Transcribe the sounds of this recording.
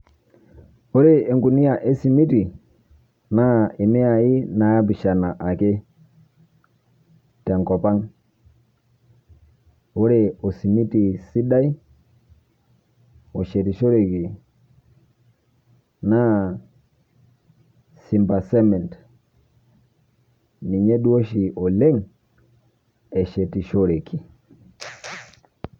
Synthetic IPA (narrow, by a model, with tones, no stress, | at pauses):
o˦ɾe˦˨e˨ŋɡu˨ni˦a˨ʔe˦si˨mi˦ti˨ | na˦ɪ˨mɛ˦a˨i˦na˨˦a˦bi˨ʃa˨na˨ʔa˨ke˦ | tɛ˨ŋkɔ˨pa˦ŋ | o˦ɾe˨ɔ˨si˨mi˦ti˨si˦da˦i˦ | ɔ˨ʃe˨ti˨ʃo˦ɾe˨ki˨ | na˦ | si˨mba˨sɛ˦mɛ˨nt | ni˨ɲɛ˦ɗu˦o˦ʃi˨ʔɔ˨le˦ŋ | ɛ˨ʃɛ˨ti˨ʃo˦ɾe˨kʰi˨